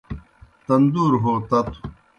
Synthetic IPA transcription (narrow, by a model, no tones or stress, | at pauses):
t̪ɐnd̪uːɾɦot̪ɐt̪u̥